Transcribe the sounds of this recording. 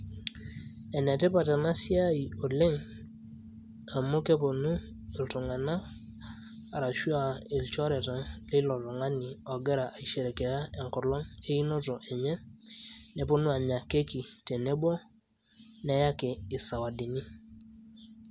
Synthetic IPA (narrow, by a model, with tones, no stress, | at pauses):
ɛ˨nɛ˨tɛ˦pa˨ta˨na˦si˦a˦i˨o˨le˦ŋ | a˨mo˦ke˦po˨nu˦ | i˨ltu˨ŋa˨na˦˨ | ɾa˨ʃu˦a˨i˨lt͡ʃɔ˦ɾɛ˨ta˨ŋli˦lɔ˨tɔ˨ŋa˦ni˨ɔ˨ɡɛ˦ɾa˨ʔa˨i˨ʃe˨ɾe˨ke˨ja˦e˨ŋkɔ˨lɔ˦ŋe˦i˦nɔ˦tɔ˨ʔɛ˨ɲɛ˦ | ne˨po˦nu˦a˨ɲa˨ke˦ki˨te˨ne˦bɔ˦ | nɛ˦ja˦keː˨sa˨wa˨di˨ni˦